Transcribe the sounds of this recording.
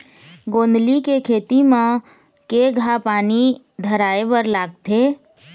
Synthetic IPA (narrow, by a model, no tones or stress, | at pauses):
ɡoːnd̪likekʰeːt̪imã | keɡʱapaːni | d̪ʱəɾaːeʋəɾlaːɡ̚t̪ʰeː